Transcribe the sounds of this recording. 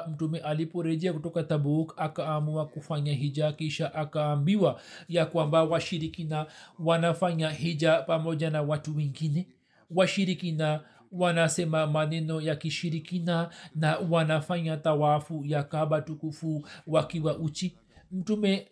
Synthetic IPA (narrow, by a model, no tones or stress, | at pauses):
m̩tumɛʔalipɔɾɛʄɛakutɔkat̪abukakaːmuakufaɲaɦid͡ʒakiʃaʔakaːmbiwajakwambawaʃiɾikinawanafaɲaɦid͡ʒapamɔʄanawatuwɛŋɡinɛ | waʃiɾikina | wanasɛmamanɛnɔjakiʃiɾikinanawanafaɲat̪awafujakaɓatukufuwakiwaʔut͡ʃi | m̩tumɛ